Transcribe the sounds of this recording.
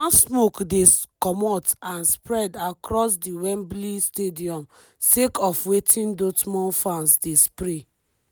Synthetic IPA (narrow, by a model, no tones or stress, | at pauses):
asmokdekɔmɔtãnspɹɛdakɾɔsdiwɛ̃mblistediɔ̃m | sekɔfwetʰĩndotmɔ̃nfãnsdespɾe